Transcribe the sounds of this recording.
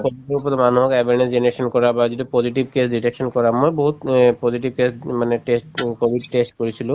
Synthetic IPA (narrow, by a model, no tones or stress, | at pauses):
kobieɹupɔt̪emanuɦɔkɛbʱenesd͡ʑeneɹeʃɔnkɔɹabazidipɔziʈibkesɖiʈeksɔnkɔɹamɔjboɦut̪pɔziʈ̬ib̚kesmaneʈesʈkobʱiɖ̚ʈesʈkoɹisʰilo